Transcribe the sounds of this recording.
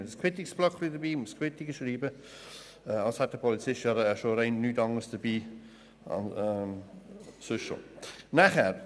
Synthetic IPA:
əskʰwɪtɪksb̥lɔkʰlidəbiːməskʰwɪtɪɡəʃɾiːbə | əɑlshat̚d̥əpʰɔlit͡sɪʃaɾəʃoɾɛɪnnytɑŋəsd̥əbḭː | n | søʃʃo̰naχɛɾ

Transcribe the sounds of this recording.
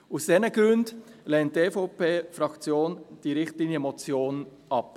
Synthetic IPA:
usd̥ɛnəɡ̥ɾʉndlɛntteːfoʊpeːfɾɑkt͡sjoːnd̥iɾɪχtliəmɔt͡sjoːn | ɑp

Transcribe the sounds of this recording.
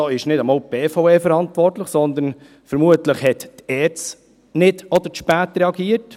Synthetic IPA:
ɑːɪʃnɪdɑmɑːlb̥eːfoʊeːfəɾɑntʋɔɾtləχsɔnd̪ən | fəɾmuətləχhɛttɛːt͡s | nɪdɔd̪əʃpæːtɾɛɑɡiːət

